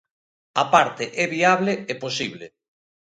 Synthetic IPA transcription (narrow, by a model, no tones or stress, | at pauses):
apaɾt̪eʔɛβiaβleeposiβlḛ